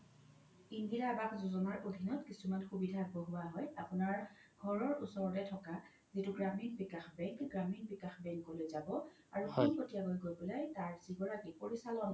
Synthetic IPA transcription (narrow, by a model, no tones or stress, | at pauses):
iŋɡiɹabakzuzɔnaɹʔodʱinɔtkisumanxubidʱaːɡbɔɦʊaɦɔjapʊnaɹ | ɡʱɔɹɔɹusɔɹdɛtʰɔka | zitʊɡɹaminbikaxbɛŋkɡɹaminbikaxbɛŋkolojzabɔ | aɹuxunpotijaɡojɡojbulajtaɹziɡɔɹakipoɹisalɔn